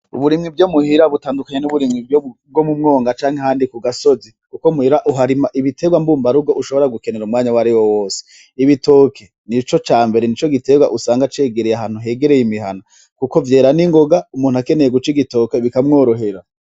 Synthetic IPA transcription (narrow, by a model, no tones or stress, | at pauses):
ṵβuɾimŋibɟomuhiɾaβutaːndukaɲenuβuɾimŋibjob̚ɡomumŋo̞ːŋɡat͡ʃaːŋhehaːndikuɡaso̞zikukomuhiɾaʔuɦaɾimaʔiβitʰe̞ɡwambuːmbaɾuɡoʔuʃo̞βo̞ɾaɡuke̞ne̞ɾumŋaːɲawaɾiwowo̞ːse̥ | iβito̞kʰe | nit͡ʃo̞t͡ʃaːmbe̞ɾenit͡ʃo̞ɡite̞ɡwaʔusaːŋɡat͡ʃe̞ːɡeɾejaɦaːn̥huɦe̞ɡeɾejimiɦa̰na | kuko̞vje̞ːɾaniŋɡo̞ɡaumuːn̥uhake̞nejeɡut͡ʃiɡito̞ke̞βikamŋoːɾo̞ɦe̞ɾa